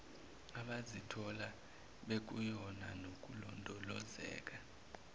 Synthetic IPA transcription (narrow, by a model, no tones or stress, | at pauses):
aɓazitʰɔla | ɓek̬ʼujɔna̰nok̬ʼulɔndʱɔlɔ̰zɛ̰ːk̬ʼa